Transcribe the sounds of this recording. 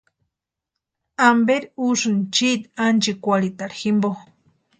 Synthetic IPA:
ambeɾuʂɨnt͡ʃit̪ant͡ʃikʷalit̪aɽximbo

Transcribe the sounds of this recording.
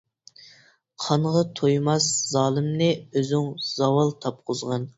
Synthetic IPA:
qʰɑnʁɑt̪ʰojmɑsz̥ɑːlˠɨmnɪøzyŋz̥ɑwɑlˠt̪ʰɑp̚qʰʊzʁɑn

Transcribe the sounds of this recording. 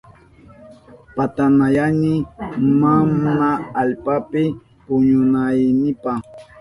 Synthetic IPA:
pat̪anajanɪmamnaːlpapɪ | pʊɲʊnajnɪpa

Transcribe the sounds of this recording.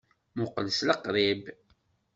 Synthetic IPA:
mʊqələsləqːɾˤib

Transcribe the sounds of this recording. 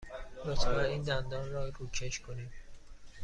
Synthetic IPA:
not̪ʰvæniːnd̪ænd̪ɒːnrɒːɾuːt͡ʃʰeʃkʰoniːm

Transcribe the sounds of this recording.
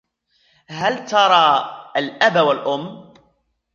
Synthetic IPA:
ɦalt̪ɑɾˤɑːalʔabwalʔʊmː

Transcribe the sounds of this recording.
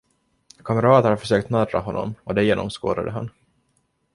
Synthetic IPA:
kʰaməɾɑːt̪hafœʂøːk̚t̪nɑd̪ɾa̰ɦɔnːɔ̰mɔd̪ɛjeːnɔ̰msko̰ːd̪a̰d̪əɦa̰n

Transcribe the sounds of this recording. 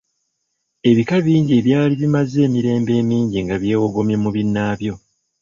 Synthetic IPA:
e̞βikaβiːɲɟieβjaːliβimaze̞ːmiɾe̞ːmbe̞ːmiːɲɟiŋɡaβje̞ːwoɡo̞mje̞muβinːaːβjo̞

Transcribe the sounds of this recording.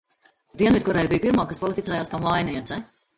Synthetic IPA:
d̪iɛvit̪̚kɔɾɛːjbijpiɾmaːkːaspɔlˠit̪itsɛːjaːskamvajnʲɛjɛsɛ

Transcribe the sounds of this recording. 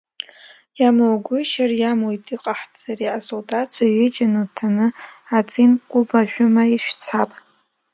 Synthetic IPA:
jamowɡʷʊʃarjamojtʼiqʼaħd͡zariasoldʼat͡sʷʰaɥed͡ʒʼanutʰanɨat͡sʼinkʷʼʊbaʒᶣʷʊmaiʃʷᶣt͡sʰapʼ

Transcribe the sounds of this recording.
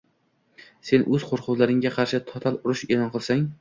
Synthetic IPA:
se̞nʔɵz̥qʰoɾqʰʊzlaɾɪŋɡʲaqʰɑɾʃɪt̪ʰɒt̪ʰalʊɾɪʃe̞lˠɒnqʰɨlˠsaŋ

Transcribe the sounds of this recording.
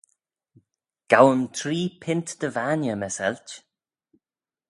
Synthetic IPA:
ɡ̥awəmt̪ʰɾiːpʰɪnt̪d̪̥əvaːnjəməsɛ̰lt͡ʃ

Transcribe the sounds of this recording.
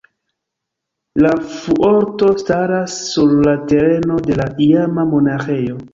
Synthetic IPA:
lafuʔo̞ɾto̞staɾasːuɾlate̞ɾe̞no̞de̞laʔiamamo̞naxe̞jo̞

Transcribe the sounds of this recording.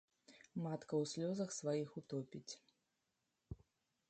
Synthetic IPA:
mat̪kɐwsʲlʲɔzɐxsvajixut̪ɔpʲit͡sʲ

